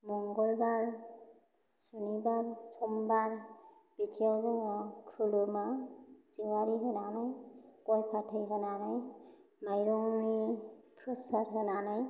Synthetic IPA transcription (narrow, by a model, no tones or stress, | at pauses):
mɔŋɡɔlbaɹ | sunibaɹsɔmbaɹ | b̥itijawzɔŋɔkʰulumaziwaɹiɦɯnanajkɔjpʰatʰɯjkɯnanaj | majɾɔŋni | pɹɔsatɦɯnanaj